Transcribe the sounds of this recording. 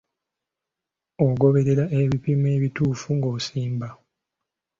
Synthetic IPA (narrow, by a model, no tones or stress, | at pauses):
oɡo̞βe̞ɾe̞ɾaʔeβipime̞ːβituːfuŋɡosiːmba